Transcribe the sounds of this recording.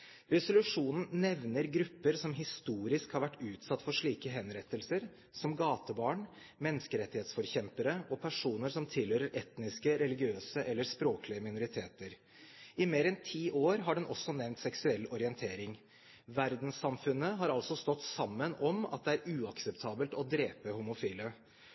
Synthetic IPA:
ɾɛsʊlʉʂuːnn̩nɛʋnəɾɡɾʉpːəɾsɔmɦɪst̪uːɾɪskhɑɾʋæʈːʉːt̪sɑt̪ːfɔʂɭiːkəɦɛnɾɛt̪ːəlsəɾ | sɔmɡɑːt̪əbɑːɳ | mɛnːəskəɾɛt̪ːɪheːt̪sfɔɾçɛmpəɾəʔɔpʰæʂuːnəɾsɔmt̪ʰɪlhøːɾəɾʔɛt̪nɪskəɾɛlɪɡɪøːsəʔɛlːəɾspɾoːklɪəmɪnʊɾɪt̪ʰeːt̪əɾ | ɪmeːɾɛnt̪ʰiːʔoːɾɦɑɖɛnʔɔsːɔnɛʋnt̪sɛksʉɛlːɔɾɪɛnt̪ʰeːɾɪŋ | ʋæɾd̪n̩sːɑmfʉnːəɦɑɾɑlsɔst̪ɔt̪ːsɑmːənɔmɑ̰t̪̚d̪ɛæɾʉːɑksɛpt̪ʰɑːbəlt̪ɔd̪ɾeːpəhumʊfiːlə

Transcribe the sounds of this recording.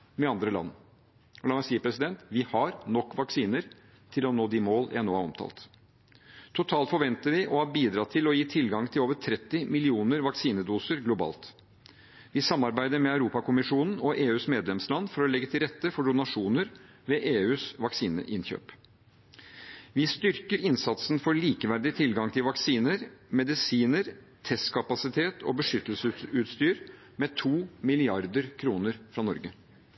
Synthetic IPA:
mɛɑnd̪ɾəlɑ̰nː | ɔlɑːmæɪsiːəpʰɾɛsɪd̪ɛnt̪ʋɪhɑɾnɔkːʋɑksiːnəɾ | t̪ʰɪlɔnoːd̪imoːlɛnːuːɑɾɔ̰mt̪ʰɑ̰ːlt̪ | t̪ʰʊt̪ʰɑːlt̪fɔɾʋɛnt̪əɾʋɪʔɔhɑbiːd̪ɾɑt̪ʰɪlɔjiːt̪ʰɪlɡɑŋt̪ʰɪloːʋət̪ʰɾɛt̪ːɪmɪlɪuːnəɾʋɑksiːnəd̪uːsəɾɡlʊbɑ̰ːlt̪ | ʋɪsɑmːɑɾbæɪd̪əɾmɛɑʉɾuːpɑkʊmɪʂuːnn̩ɔʔeːʉːsmeːd̪lɛmslɑnːfɔɾɔlɛɡːət̪ʰɪlɾɛt̪ːəfɔɖʊnɑʂuːnəɾ | ʋeʔeːʉːsʋɑksiːnə̰ʔɪnçø̰ːp | ʋɪst̪ʏɾkəɾɪnsɑt̪sn̩fɔɭiːkəʋæɾd̪ɪt̪ʰɪlɡɑŋt̪ʰɪlʋɑksiːnəɾmɛd̪ɪsiːnəɾ | t̪ʰɛst̪kʰɑpɑsɪt̪ʰeːt̪ʰɔ̰bəʂʏt̪ːəlsəʉt̪st̪yːɾ | mɛt̪ʰuːmɪlɪɑɾd̪əɾkʰɾuːnəɾfɾɑːnɔɾɡə

